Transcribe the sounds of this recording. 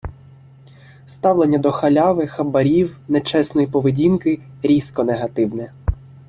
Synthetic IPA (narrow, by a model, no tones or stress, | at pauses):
st̪ɑwlˠenʲːɐd̪ɔxɐlʲɑʋɪxɐbɐɾʲiwnet͡ʃɛsnɔjipɔʋedʲinkɪ | ɾʲiskɔneɦɐt̪ɪwnɛ